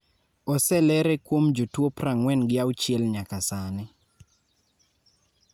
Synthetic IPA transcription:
ɔsɛlɛɾɛkwomd͡ʒutwopɾaŋwɛnɡɪawt͡ʃjɛlɲakasanɪ

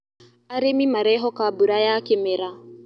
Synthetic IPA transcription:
aɾemimaɾɛɦɔkabuɾajakemeɾa

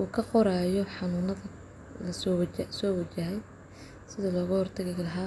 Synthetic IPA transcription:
ʔuːkʰɐqɔɾaːjɔħɑnuːnɐðɐ | lɐssɔːwɐt͡ʃɐɦɛj | sɪðɐlɔːɣɐhɔrt̪ʰɐɣɪɣɐlɐɦaː

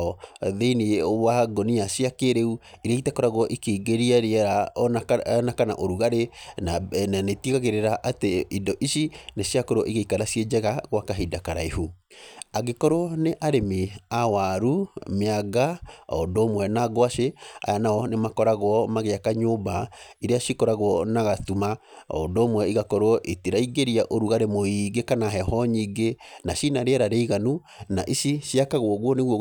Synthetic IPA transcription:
ɔðeiniwaɡɔniasiakeɾeuiɾeitɛkɔɾaɣwɔʔikeiɡeɾiaɾeɛɾa | nakana̰ʔoɾuɣaɾenananetiɣaɣeɾeɾaʔateidɔʔisinesjakoɾwɔʔiɣeikaɾasjed͡ʒɛɣaɣwakaɦidakaɾaihuaɡekɔɾoneʔaɾemiawaɾumeaɡaɔ̰ndɔːmwɛnaɡwaʃea̰janaɔnemakɔɾaɣwɔmaɣeakaɲobaiɾeaʃikɔɾaɣwɔnaɣatumaɔ̰ndɔmwɛiɣakɔɾoɔʔetiɾaiɡeɾiaʔoɾuɣaɾemoiɡekanaɦɛhɔɲiɡenaʃinaɾeɛɾaɾeiɣanu | naʔiʃiʃiakaɣwɔɣwɔneɣwɔ

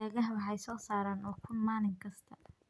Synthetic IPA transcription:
ɛːɣɐɦɐwɑħɑjsɔːsaːɾaːnɔːkʰʊnmaːlɪŋkʰɐst̪ʰɐ

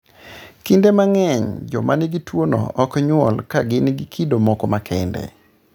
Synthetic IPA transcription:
kindemaŋɛɲd͡ʒɔ̰manɪɡitwonɔ̰ʔɔkɲwɔlkaɡɪnɪɡikʰidomɔkɔmakʰɛndɛ̰

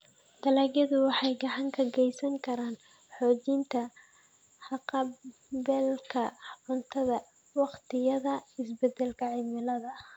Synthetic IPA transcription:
d̪̥ɐlaːɡjɐðʊwɑħɑjɡɑʕɑŋkʰɐɡɛjsɐŋkʰɐɾaːn | ħɔːt͡ʃint̪ʰɐ | ħɑqɑ | bɛlkʰɐʕʊnt̪ʰɐðɐ | wɑqt̪ʰɪjɐðɐɪsbɛd̪ɛlkʰɐʕɪmɪlɐðɐ

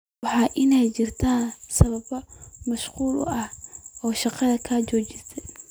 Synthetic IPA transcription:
wɑħɑːʔɪnɛjt͡ʃɪrt̪ʰaːnsɐβɐbɐmɐʃquːlʔʊ̰ʔɐhʔɔːʃɑqɑðɐkʰaːt͡ʃɔːt͡ʃɪst̪ɛj

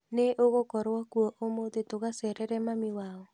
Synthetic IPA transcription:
neʔokokɔɾwɔkwoʔomod̪et̪okasɛɾɛɾɛmamɪwaɔ

